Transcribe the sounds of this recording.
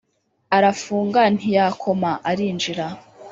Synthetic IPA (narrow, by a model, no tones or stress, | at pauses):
aɾafuːŋɡan̥hijaːkʰo̞maʔaɾiːnd͡ʒiɾa